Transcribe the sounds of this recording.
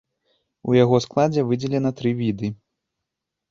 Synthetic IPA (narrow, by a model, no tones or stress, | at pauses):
ṵjaɣɔsklˠad͡zʲɛvɨd͡zʲɛlʲɛnɐt̪ɾɨvʲid̪ɨ